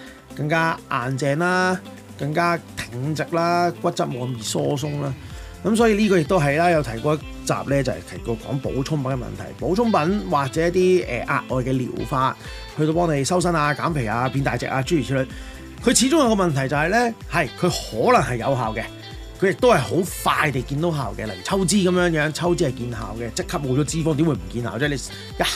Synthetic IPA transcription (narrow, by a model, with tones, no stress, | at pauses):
kɐ˧ŋkaː˥ʔaː˨nt͡sɛː˨naː˥ | kɐ˧ŋkaː˥t̪ʰɪ˨˩ŋt͡sɪ˨k̚laː˥kʷɐ˥t̚t͡sɐ˥t̚mɔː˨˩njiː˨˧sɔː˥s̬ʊ˥ŋlaː˥kɐ˨˦ms̬ɔː˨˥jiː˧liː˥kɔː˧jɪ˨k̚t̪o˥wɦɐ˨jlaː˥jɐ˨˧wt̪ʰɐ˨˩jkɔː˧jɐ˥ | t͡sa̰ː˨p̚lɛː˥t͡sɐ˨hɛ̰˨t̪ʰɐ˨˩jkɔː˧kɔ̰ː˨˥ŋpo̰˨˥wt͡sʰʊ˥ŋpɐ˨˥nkɛ˨mɐ̰˨nt̪ʰɐ̰˨˩jpo˨˥wt͡sʰʊ˥ŋpɐ˨˥nwaː˨˩k̚t͡sɛː˨˦jɐ˥t̪̚iː˥ɛ̰ː˨˩ʔa̰ː˨˧t̚ʔɔː˨jkɛ˧lḭː˨˩wfaː˧t̚ | hɵ˧t̪o˧wp̬ɔː˥ŋle˨˧jsɐ˥ws̬ɐ˥naː˧kaː˨˥mpʰe˨˩jaː˧pi˧nt̪aː˨jt͡sɛ̰ː˨k̚ʔaː˧t͡ʃyː˥y˨˩i˥lɵ˨˧j | kʰɵ˨˧ɥt͡sʰiː˨˥t͡sʊ˥ŋjɐ˨˧kɔː˧mɐ˨nt̪ʰɐ˨˩jt͡sɐ˨whɐ˨jlɛ˥hɐ˨˩jkʰɵ˨˧ɥhɔː˨˥lɐ˨˩ŋhɐ˨jːɐ̰˨˧wɦaː˨wkɛ˧ | kʰɵ˨˧ɥjɪ˨k̚t̪o˥whɐ˨˩jho˨˥wfaː˧jt̪e˨jkiː˧nt̪o˨˥wɦaː˨wkɛː˧lɐ˨˩jy˨˩t͡sʰɐ˥wt͡siː˥kɐ˨˦mjœː˨˥ŋjœː˨˥ŋt͡sʰɐ˥wt͡siː˥hɐ˨˩jkiː˧nɦa̰ː˨wkɛ˧t͡sɪ˥kʰːɐ˥p̚wo˨˧t͡ʃɔ˨˧˥t͡siː˥fɔ˥ŋt̪i˥mwu˨˧jm̩˨˩kiː˧nhaː˨wt͡sɛː˥˩le˨˧ | jɐ˥